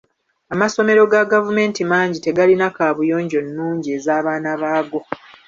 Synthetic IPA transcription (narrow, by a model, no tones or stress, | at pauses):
amaso̞me̞ɾo̞ɡaɡavume̞ːntimaːɲɟite̞ɡalinakaβujo̞ːɲɟo̞nːuːɲɟie̞ːzaːβaːnaβaːɡo̞